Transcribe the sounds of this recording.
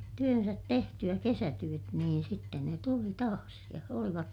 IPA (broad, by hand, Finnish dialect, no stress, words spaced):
tyønsæt tehtyæ kesætyøt niːn sitːen ne tuli tɑːs jɑ oliʋɑt